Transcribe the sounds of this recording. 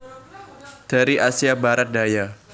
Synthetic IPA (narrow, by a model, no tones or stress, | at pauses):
d̥aɾiʔasiabaɾat̪̚daja